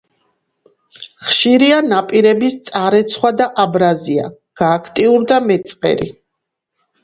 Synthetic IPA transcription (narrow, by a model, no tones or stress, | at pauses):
χʃiɾianapʼiɾɛbist̪sʼaɾɛt̪sʰχwad̪aʔabɾazia̰ | ɡ̥aːkʰt̪ʼiuɾd̪amɛt̪sʼqʼɛ̰ɾḭ